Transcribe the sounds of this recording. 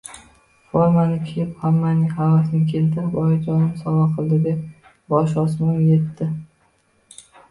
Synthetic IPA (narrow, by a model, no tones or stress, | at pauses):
foɾmanɪkʲʰɪjɪphamːanɪŋʲhavasɪnɪkʲʰe̞lt̪ʰɪɾɪpɒjɪd͡ʒɒnɪmsɒvaqʰɨlˠd̪ɪd̪e̞p̚ | bɒʃ̬ɒsmanje̞t̪ːɪ